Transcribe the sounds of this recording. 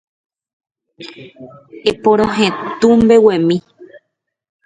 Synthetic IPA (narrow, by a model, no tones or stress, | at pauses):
epõɾ̃õɦẽt̪ũmbe̞wẽmĩ